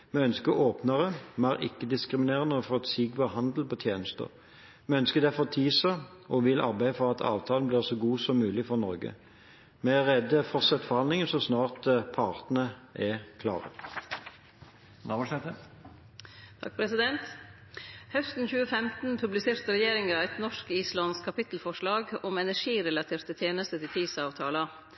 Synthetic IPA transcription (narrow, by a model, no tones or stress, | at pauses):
mɛœnskəʔoːpnɑʁəmæːʁʔɪ̰kːəd̪ɪskʁɪmɪneːʁənəɔfɔt̪siːɡbɑhɑnd̪l̩pɔt̪ʰjeːnəst̪ə̰ʁ | mɛœnskəd̪ɛfɔt̪ʰiːsə | ɔʋɪlʔɑ̰ʁbæɪəfɔʁɑt̪ʰɑ̰ːʋt̪ʰɑːlnbliːʁsɔɡuːsɔmːʉːlɪfɔʁnɔʁɡə̰ | mɛæʁɛd̪əfɔʁt̪sɛt̪ːfɔʁhɑnd̪lɪŋənsɔsnɑːʁt̪pʰɑːʁt̪nəɛkʰlɑ̰ːʁə̰ | nɑbɔʂɛt̪ə | t̪ʰɑ̰k̚pʰɾɛsɪd̪ɛnt̪ | hœst̪n̩çʉːəfɛmt̪n̩pʰʉblɪseːɾt̪əɾɛjeːɾɪŋɑæt̪nɔʂkiːslɑnskʰɑpɪt̪l̩fɔʂɭɑːɡɔmɛnæʂiːɾɛlɑt̪ʰiːɾt̪ət̪ʰjeːnəst̪ət̪ʰɪt̪ʰiːsɑːʋt̪ʰɑːlə